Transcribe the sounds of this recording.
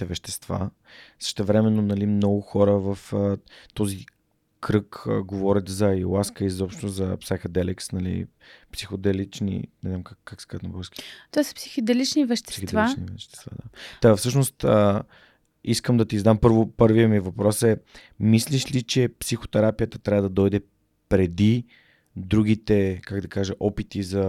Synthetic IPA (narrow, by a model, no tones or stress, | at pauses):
ɛvɛʃt̪ɛ̥st̪va̰ | sə̥ʃt̪ɛvɾɛmɛnːonɐlimnɔɡʊxɔɾəvɐfət̪ɔzi | kɾɤkːɡovɔɾʲət̪zɐilˠaskəizɔpʃt̪ozɐpsaxəd̪ɛlɛksnɐlḭ | psixod̪ɛlit͡ʃnḭnɛznamkakːakskaət̪nɐboskʲi̥t̪ovasə̥psi̥xod̪ɛlit͡ʃnivɛʃt̪ɛ̥sixd̪vat͡ʃnivɛʃt̪ɛ̥st̪va̰d̪a̰t̪afsɤʃnost̪ə | iskəmd̪ɐt̪izd̪ampɤɾvopɤɾvijəmivɐpɾɔsɛ | misliʃlit͡ʃɛpsixo̥t̪ɛɾapijət̪ət̪ɾʲavəd̪ɐd̪ɔjd̪ɛ | pɾɛd̪i | d̪ɾuɡ̟it̪ɛkaɡd̪ɐkaʒəʔɔpit̪izɐ